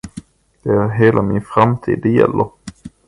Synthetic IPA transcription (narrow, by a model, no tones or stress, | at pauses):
d̪̥ɛæɾɦeːlʔamɪnfɾamt̪ʰḭːd̪ɛjɛ̰lːəɾ